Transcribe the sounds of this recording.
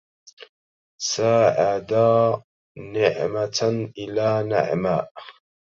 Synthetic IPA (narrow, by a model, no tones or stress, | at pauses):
saːʕad̪a | nɪʕmaʔɪlaːna̰ʕmaːʔ